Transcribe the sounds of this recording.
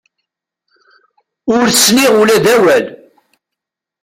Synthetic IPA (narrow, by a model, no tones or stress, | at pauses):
ʊɾsniʁulæðæwæl